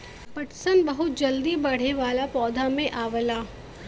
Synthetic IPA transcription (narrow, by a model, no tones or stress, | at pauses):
pɐʈsənbɐɦʊt̪̚d͡ʒɐld̪ibɐɽ̤eʋaːlapɔːd̪ʱamẽʔaːʋəlaː